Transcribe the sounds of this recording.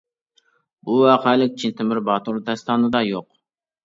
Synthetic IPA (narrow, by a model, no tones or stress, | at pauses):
buwɑqʰælɪk̚ʲt͡ʃʰint̪ʰɪmɪɾbɑt̪ʰoɾd̪ɛst̪ʰɑːnɨd̪ɑjoq